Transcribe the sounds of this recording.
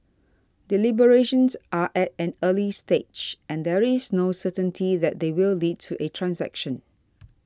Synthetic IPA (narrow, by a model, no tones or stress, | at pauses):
dilibəɹeʃə̃nsʔaʔɛt̚ɛ̃nəlisted͡ʒʔɛ̃ndɛɹisnosətə̃ntʰiðɛt̚d̪ewilːid̚tʰuʔetʰɹãnsɛ̰kʃə̃n